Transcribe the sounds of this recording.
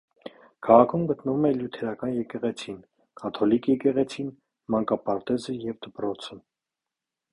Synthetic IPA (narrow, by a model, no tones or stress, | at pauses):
kʰɑʁɑkʰumɡət̪nəvumɛljut̪ʰɛɾɑkɑnjɛkɛʁɛt͡sʰin | kʰɑt̪ʰɔlikjɛkɛʁɛt͡sʰin | mɑŋkɑpɑɾt̪ɛzəjɛvd̪əpɾɔt͡sʰə